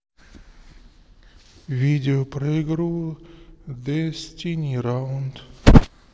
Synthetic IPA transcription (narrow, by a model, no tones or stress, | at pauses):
vʲidʲɪopɾɐɪɡɾulˠ | d̪ɛsʲtʲinʲiɾaʊnd̪